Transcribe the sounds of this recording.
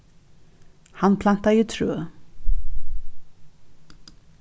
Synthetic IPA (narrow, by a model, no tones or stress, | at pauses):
hanpʰlan̥t̪ajit̪ʰɾøː